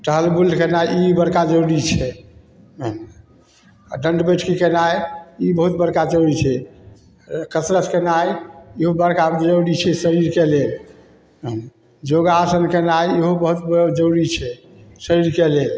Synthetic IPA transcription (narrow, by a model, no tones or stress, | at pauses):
ʈəɦəlbulkenajibəɾkad͡ʒəwɽit͡ʃʰɛ | n | ɖəɳɖbəʈʰkikenajibəɦut̪̚bəɽkad͡ʒəɽit͡ʃʰɛ | kəsɾət̪kenajeɦobəɽkad͡ʒəwɽit͡ʃʰɛsəɾiɾkelel | n | d͡ʒoɡasənkenajeɦobəɦut̪̚bd͡ʒəwɽit͡ʃʰɛ | səɾiɾkelel